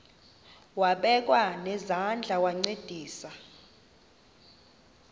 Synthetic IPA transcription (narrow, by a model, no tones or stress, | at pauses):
waɓɛk̬ʼwanɛzand͡ɮʱawaŋ͡ǀed̥ʱiːsa